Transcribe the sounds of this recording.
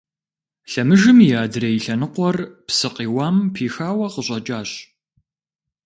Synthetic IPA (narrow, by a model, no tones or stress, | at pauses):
ɬɐmɨʒɨmjaːdrejɬɐnɨqʷɔrpsɨqiːwaːmpʰiːxaːwɐqəɕʼɐt͡ʃʼaːɕ